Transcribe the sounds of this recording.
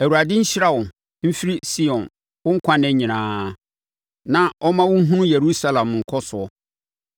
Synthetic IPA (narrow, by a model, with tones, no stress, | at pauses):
æ˨u˨ɾa˨dɪ̃˦ɲ̩˦ɕɪ˦ɾa˦wʊ̃˨n | m̩˦fi˦ɾi˦si˦ɔ̃˨n | wʊ̃˦ŋ̩˦kʷʰã˦nɛ̃˦ɲĩ˨nãː˦ | nã˨ʔɔ˦mã˦wʊ̃˦ɦũ˦je˨ɾu˦sa˦lã˨mŋ̩˨kʰɔ˦sʊ˨ɔ˦